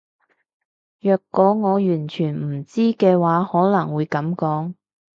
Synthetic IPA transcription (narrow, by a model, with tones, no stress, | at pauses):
jœː˨˧kːɔː˨˥ŋɔː˨˧jyː˨˩nt͡ʃʰyː˨˩nm̩˨˩t͡siː˥kɛː˧waː˨˥hɔː˨˥lɐ˨˩ŋwuː˨˧jkɐ˨˥mkɔː˨˥ŋ